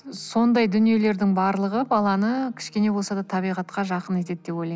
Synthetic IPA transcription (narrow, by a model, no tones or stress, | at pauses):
so̞nd̪ɑjd̪ʏnije̞le̞ɾd̪ɪŋbɑɾlˠəʁəbɑlˠɑnəkʲʰɪ̥ʃkʲe̞ne̞bosɑd̪ɑt̪ʰɑβijʁɑt̪qɑʒɑqəne̞t̪e̞d̪d̪e̞pojlɑj